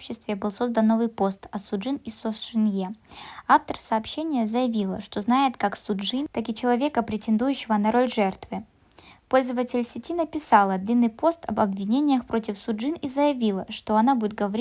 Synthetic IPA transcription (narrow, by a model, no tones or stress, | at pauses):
opɕːɪst̪vʲɪbɨlˠso̞zd̪ənːovɨjpo̞st̪ɐsʊʐɨnisofʂɨnjeaft̪ərsɐːpɕːenʲɪjəzəjɪvʲilˠə̰ʂt̪o̞znajɪt̪kaksʊʐɨnt̪akɪt͡ɕɪlˠɐvʲe̞kəpɾʲɪtʲɪnd̪ujʉɕːɪvənɐɾo̞lʲʐɛrt̪vɨ | po̞lʲzəvətʲɪlʲsʲɪtʲinəpʲɪsalˠəd̪lʲinːɨjpo̞st̪ɐbɐbvʲɪnʲenʲɪjəxpɾo̞tʲɪfsʊʐɨnizəjɪvʲilˠəʂt̪o̞ɐnabudʲɪt̪̚ɡəvɐɾʲi